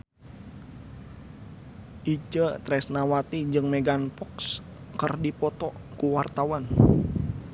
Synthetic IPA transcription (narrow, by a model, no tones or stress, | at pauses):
ʔit͡ʃət̪ɾɛsnawat̪id͡ʒɨŋmɛɡanpɔks | kərdipɔt̪ɔkuwart̪awan